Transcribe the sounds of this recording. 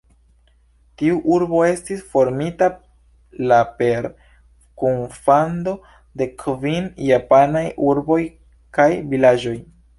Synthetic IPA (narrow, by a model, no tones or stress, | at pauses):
tiuʔuɾbo̞e̞stisfo̞ɾmita | lape̞ɾ | kunfando̞ | de̞kʰvinjapanajʔuɾbo̞j | kajvilad͡ʒo̞j